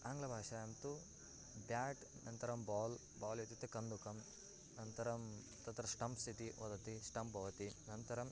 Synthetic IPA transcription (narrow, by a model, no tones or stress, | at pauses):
aːŋɡlɐbʱaːʂaːjɐmt̪u | bjaːʈ | nʔɐnt̪ɐɾɐmbaːl | baːljet̪it̪ːekɐnd̪ukɐm | nɐnt̪ɐɾɐm | t̪ɐt̪ɾɐsʈɐmst̪ʰit̪iʔo̰d̪ɐt̪isʈɐmpbʱɐʋɐt̪inɐnt̪ɐɾɐm